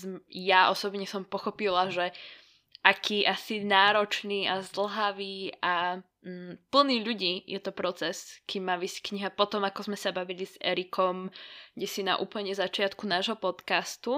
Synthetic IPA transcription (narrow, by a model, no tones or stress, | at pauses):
jaʔɔsɔbɲɛsɔmpɔxɔpilaʒɛ | ʔakʰiːʔasinaːɾɔt͡ʃniːazd̪l̩ɦaʋiːa | pl̩niːʎuɟiːjɛt̪ɔpɾɔt͡sɛskimːaːʋiːsckɲiɦapɔt̪ɔmakɔzmɛsabaʋilizɛ̰ɾikʰɔmɡɟɛsina̰ʔuːpl̩ɲɛzat͡ʃɪat̪kunaːʒɦɔpɔt̪kast̪u